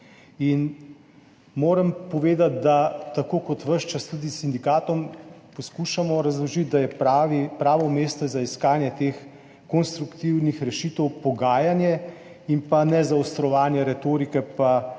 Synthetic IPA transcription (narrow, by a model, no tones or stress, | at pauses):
in | moːɾəmpɔʋeːd̪at̪̚d̪at̪akoːkɔt̪ʋəʃt͡ʃast̪ud̪isind̪ikaːt̪ɔmpɔskuʃamɔɾazlɔʒit̪̚d̪ajɛʋipɾaːʋɔmeːst̪ɔzaiskaːnjɛt̪eːx | kɔnst̪ɾukt̪iwnixɾɛʃit̪ɛwpɔɡaːjanjɛ | impanɛzawst̪ɾɔʋaːnjɛɾɛt̪oːɾikɛpa